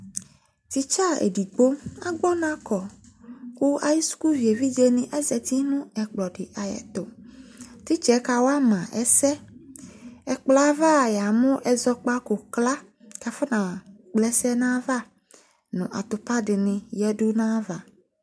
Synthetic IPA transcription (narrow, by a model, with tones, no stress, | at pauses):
t̪i˨t͡ʃa˦ḛ˨di˨ɡ͡bo˦a̰˨ɡ͡bɔ˦nã˦kɔ˨ | ku˦a˨ji˦su̥˦ku˦vi˨e˨vi˦d͡ʒe˦nɪ̃˨ʔɛ˦zɛ˨t̪i˦nʊ̃˦ɛ˨k͡plɔ˨ɖɪ˨ʔa˨jɛ̰˨t̪ʊ˨ | t̪i˦t͡ʃɛ˨˦ka˨wo˦a˦mã˨ʔɛ̰˦sɛ˦ | ɛ˨k͡plva˦˨ja˨mʊ̃˦ʔɛ˦zɔ˦k͡pa˦ko˨kla˦ | ka˨fa˦nã˨ | k͡plɛ˦sɛ˦nã˦va˦ | nʊ̰̃˨ʔa̰˨t̪ʊ˨pa˦ɖɪ˨nɪ̃˨jɛ˦dʊ˦nã˦va˨